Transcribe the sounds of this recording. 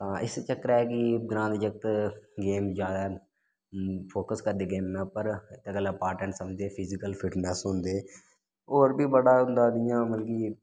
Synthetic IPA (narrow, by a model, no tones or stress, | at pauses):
t̪ãːʔɪst͡ʃəkːəɾɛːkiɡɾãːnd̪d͡ʒək̚t̪ɡeːmd͡ʒjaːd̪a | pʰoːkəskəɾd̪eːɡeːmːẽːpəɾɪt̪ekəlaːpaːʈə̃ɳʈsəməd͡ʒd̪eːpʰɪzɪkəlpʰɪʈnɛːsɦʊ̃ːnd̪eː | oːɾbʱiːbəɽaːʊ̃nd̪aːd̪ɪjãːməlkiː